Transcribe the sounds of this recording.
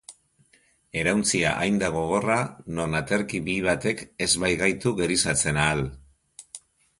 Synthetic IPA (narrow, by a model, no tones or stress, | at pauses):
e̞ɾawnt͡sia̰ʔajnd̪aɣ̞o̞ɣ̞o̞rano̞nat̪e̞ɾkiβiβat̪e̞ke̞zβajɣajt̪uɣe̞ɾisat͡se̞naːl